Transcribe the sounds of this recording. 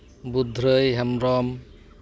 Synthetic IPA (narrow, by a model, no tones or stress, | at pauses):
bud̪ʱɾɯjɦamɾɔm